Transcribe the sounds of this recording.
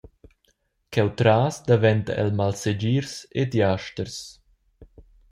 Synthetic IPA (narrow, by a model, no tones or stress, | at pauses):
kɛwt̪ɾaːsd̪avɛnt̪a̰ʔɛ̰lmalsed͡ʒiːɾsed̪jaʃt̪əɾs